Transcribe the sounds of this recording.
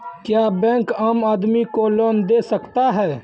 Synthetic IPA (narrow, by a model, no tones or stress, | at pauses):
kjaːbɛ̃ːŋkaːmaːd̪mikoloːnd̪eːsəkt̪aɦɛː